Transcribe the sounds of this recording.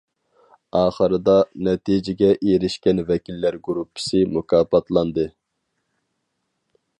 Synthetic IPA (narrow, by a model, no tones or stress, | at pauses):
ɑːχəɾɨd̪ɑnɛt̪id͡ʒɪɡʲɛʔeɾɪʃkʲɛnvɛkʲilːæɾɡuɾupːɪ̥sɨmukɑːpɑt̪lˠɑnd̪ɨ